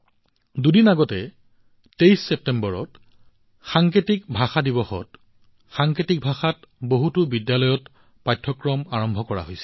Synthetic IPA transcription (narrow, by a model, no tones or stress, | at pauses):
dudinaɡɔtɛ | tejsːɛp̚tɛmbɔɹɔ̰t | xaŋketikbʱaxadibɔxɔ̰t | xaŋketik̚bʱaxatboɦutʊbidjalɔjɔt | pajtʰːɔkɹɔmaɹɔmbʱɔkɔɹa̰ɦojsɛ̥